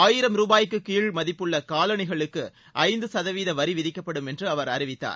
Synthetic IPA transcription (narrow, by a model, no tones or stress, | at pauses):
aːjɪɾɐmɾuːbaːjɪkːɯkiːɭmɐðɪpːɯɭːɐkaːlɐɳɪɣɐɭɯkːɯ | ʔɐɪnd̪ɯsɐðɐʋiːðɐʋɐɾiʋɪðɪkːɐpːɐɽɯmɛndrɯɐʋɐɾɐɾɪʋɪt̪ːa̰ːɾ